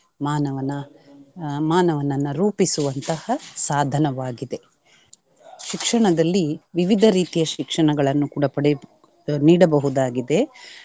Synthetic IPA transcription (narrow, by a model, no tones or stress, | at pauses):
maːnɐʋɐnɐ | maːnɐʋɐnɐnːɐɾuːpisuʋɐnt̪ɐhɐsaːd̪ʱɐnɐʋaːɡid̪e̞ | ʃikʂɐɳɐd̪ɐlːiʋiʋid̪ʱɐɾiːt̪ijɐʃikʂɐɳɐɡɐɭɐnːukuːɽɐpɐɽɛ | niːɽɐbɐɦud̪aːɡid̪e̞